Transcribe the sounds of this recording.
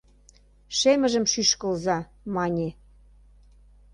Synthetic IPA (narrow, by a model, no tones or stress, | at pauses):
ʃemə̆ʒə̆mʃyʃkə̆lzɑ | mɑnʲe